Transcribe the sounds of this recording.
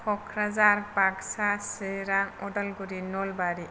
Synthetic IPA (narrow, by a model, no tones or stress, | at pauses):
pʰɔkʰɾazaɾbaksaseɾaŋɔdalɡuɾinɔlbaɾi